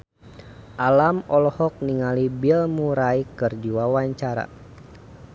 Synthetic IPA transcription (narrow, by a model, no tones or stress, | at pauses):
ʔalamɔlɔhɔk̚niŋalibilmuɾaikɨrd͡ʒiwawaɲt͡ʃaɾa̰